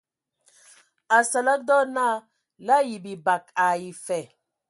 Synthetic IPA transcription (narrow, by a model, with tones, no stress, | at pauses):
a˨sa˨la˦k̚dɔ˦na˦ | la˦ji˨bi˨ba˨ka˨i˨fɛ˨